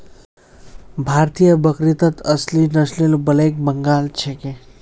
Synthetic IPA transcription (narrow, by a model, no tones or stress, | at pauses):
bʱaɾt̪ijəbəkɾit̪ət̪əslinəsʰlelbəlek̚bəŋɡaːlt͡ʃʰeke